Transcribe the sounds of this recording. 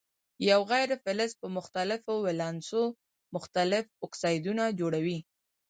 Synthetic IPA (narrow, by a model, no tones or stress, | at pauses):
jawɣajɾfɪlɪspəmʊxt̪alɪfowɪlɑnso | mʊxt̪alɪfʊksɑjd̪unad͡ʒoɽawi